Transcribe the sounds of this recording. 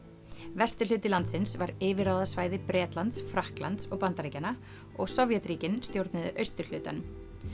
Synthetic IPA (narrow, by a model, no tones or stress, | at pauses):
vɛst̪ʏ̥lʏːt̪ɪlant̪sɪnsvaɾɪːvɪɾaːwðasvaːjðɪpɾɛːt̪lant̪sfɾahkla̰nt̪sɔɣpant̪aɾiːcana | ɔɣsɔvjɛt̪ɾiːcɪnst̪jowɾt̪nɪðʏ̰ʔœɥst̪ʏɾ̥l̥ʏːt̪a̰nʏm